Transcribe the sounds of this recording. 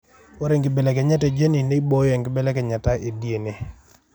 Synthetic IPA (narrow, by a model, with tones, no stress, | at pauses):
o˦ɾe˨ŋɡɪ˨be˨lɛ˨kɛ˨ɲa˦tɛ˨d͡ʒe˦ni˨ne˦bo˦jɛ˨ŋɡɪ˨˦bɛ˦lɛ˦kɛ˨ɲa˨ta˦ʔe˨dje˨ne˦˨